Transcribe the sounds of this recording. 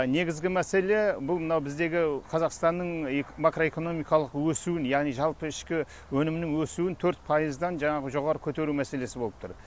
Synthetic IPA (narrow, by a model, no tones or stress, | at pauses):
ne̞ɡʲɪzɡʲɪmæse̞le̞bʊlˠmənɑwbɪzd̪e̞ɡʲɪqʰɑzɑqst̪ɑnːəɴmɑkro̞e̞ko̞no̞mijkɑlˠəqwɵsuwɪnjɑʁnijʒɑlˠpəɪʃkʲɪ | wɵnɪmɪnɪŋwɵsuɪnt̪ʰɵɾt̪̚pʰɑjəzd̪ɑnʒɑɴɑʁəʒo̞ʁɑɾəkʲʰɵt̪e̞ɾumæse̞le̞sɪbolˠə̥pt̪ʰʊ̰ɾ